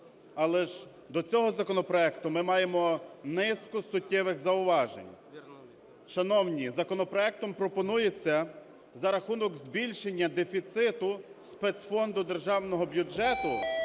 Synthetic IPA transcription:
ɑlˠɛʒ | d̪ɔt͡sʲɔɦɔzɐkɔnɔpɾɔɛkt̪ʊmɪmɑjemɔnɪskɔsʊtʲːɪʋɪxzɐʊʋɑʒḛnʲ | ʃɐnɔwnʲizɐkɔnɔpɾɔɛk̚t̪ɔmpɾɔpɔnujet͡sʲːɐ | zɐɾɐxunɔɡzbʲilʲʃenʲːɐd̪efʲit̪sɪt̪ʊ | spɛt̪sfɔnd̪ʊd̪e̞rʒɑwnɔɦɔbʲjʊd͡ʒɛt̪ʊ

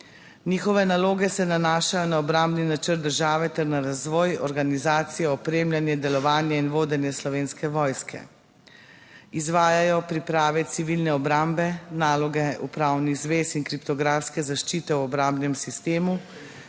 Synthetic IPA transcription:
niːxɔʋɛnaloːɡɛsɛnanaːʃajɔnaɔbɾambninat͡ʃəɾt̪d̪əɾʒaːʋɛt̪ɛɾnaɾazʋɔːjɔɾɡanizaːt̪sijɛɔpɾeːmlʲjanjɛd̪ɛlɔʋaːnjɛinʋoːd̪ɛnjɛslɔʋeːnskɛʋɔːjskʰɛ̰ | izʋaːjajɔpɾipɾaːʋɛt̪siʋilnɛɔbɾambɛnaːlɔɡɛupɾaːwniɣzʋeːsinkɾipt̪ɔɡɾaːfskɛzaʃt͡ʃiːt̪ɛwɔbɾambnɛmsist̪eːmu

